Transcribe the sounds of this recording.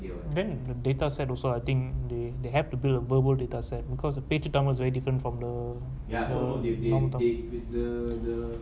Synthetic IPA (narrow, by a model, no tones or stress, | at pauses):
dɛ̃nd̪ədetasɛtɔlsoajt̪ĩŋkd̪ed̪eɦɛftubildəvəbəldetasɛt̚bikʰɔsdəpetitãməlsvɛɹidifɹə̃ntfɹɔ̃md̪ə | dəɔmətɔ̃dədə